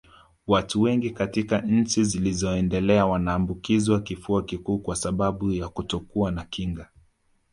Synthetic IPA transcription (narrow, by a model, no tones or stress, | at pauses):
watuwɛŋɡikatikaɲ̩t͡ʃizilizɔɛndɛlɛawanaːmbukiziwakifuakikuːkwasaɓaɓujakutɔkuanakiŋɡa